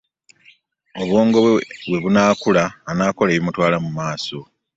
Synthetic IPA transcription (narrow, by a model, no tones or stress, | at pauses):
oβwoːŋɡoβwe̞βunaːkulaːnaːko̞leːβimutwaːlamumaːso̞